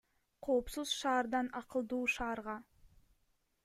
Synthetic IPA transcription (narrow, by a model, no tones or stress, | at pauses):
qʰo̞ːpsuz̥ʃɑːɾd̪ɑnɑqəlˠd̪uːʃɑːɾʁɑ